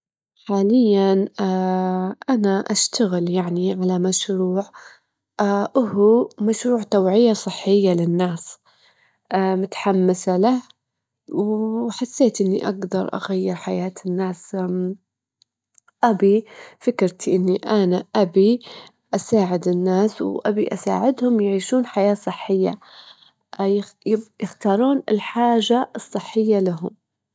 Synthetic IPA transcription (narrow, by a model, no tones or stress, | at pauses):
ħaːlɪjːanaʔanaʔaʃt̪aɣɪljaʕniʕalamaʃɾuːʕ | ʔʊhumaʃɾuːʕt̪awʕɪjːasˤɨħːɪjːalɪnːaːs | mʊt̪ḁħamːɪsalah | wħasːeːt̪ʔɪnːḭʔa̰ɡd̪ɑɾˤʔa̰ɣajːɪɾħajaːt̪ʰɪnːaːs | ʔabifɪkɾt̪iʔɪnːiʔanaʔabi | ʔasaːʕɪd̪ɪnːaːswʔabiʔasa̰ːʕɪd̪hʊmjʕiːʃuːnħajaːsˤɨħːɪjːa̰ | jɪxt̪ɑːɾˤuːnɪlħaːʒaɨsˤːɨħːɪjːalaɦʊm